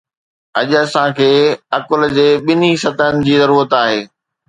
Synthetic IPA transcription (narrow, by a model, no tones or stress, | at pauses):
ɐʄʊɐsãkʰeːɐkʊld͡ʑeːɓɪnisɐt̪ənɪ̆d͡ʑiːzɐɾuːɾət̪aːɦeː